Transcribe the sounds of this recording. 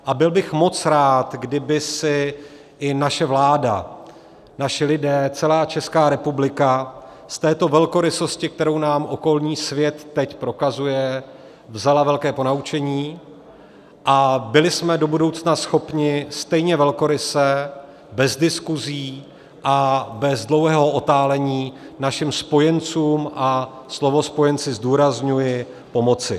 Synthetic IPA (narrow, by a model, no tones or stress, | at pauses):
ʔabɪlbɪxmo̞t͡sɾaːt̪ɡdɪbɪsɪ | ʔɪnaʃɛvlaːda̰ | naʃɪlɪdɛːt͡sɛlaːt͡ʃɛskaːɾɛpublɪka | st̪ɛːt̪o̞vɛlko̞ɾɪso̞scɪkt̪ɛɾo̞wnaːmʔo̞ko̞lɲiːsvjɛt̪ːɛcpɾo̞kazujɛ | vzalavɛlkɛːpo̞naut͡ʃɛɲiː | ʔabɪlɪsmɛdo̞budo̞wt͡snasxo̞pɲɪst̪ɛjɲɛvɛlko̞ɾɪsɛ | bɛzdɪskuziː | ʔabɛzdlowɦɛːɦo̞ʔo̞t̪aːlɛɲiːnaʃɪmspo̞jɛnt͡suːmʔaslo̞vo̞spo̞jɛnt͡sɪzduːɾazɲujɪ | po̞mo̞t͡sɪ